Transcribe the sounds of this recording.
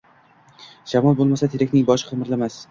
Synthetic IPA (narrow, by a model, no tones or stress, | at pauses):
ʃamɒlˠbolˠmasat̪ʰeɾakʲnɪŋbɒʃqʰɨmɪɾlamas